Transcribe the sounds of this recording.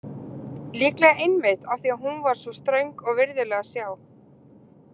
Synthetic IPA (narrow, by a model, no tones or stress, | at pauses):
liːklɛɣaejnmɪt̪awθiaɦunvaɾ̥svɔst̪ɾœɥŋkɔɣvɪɾðɪlɛːɣasjaːw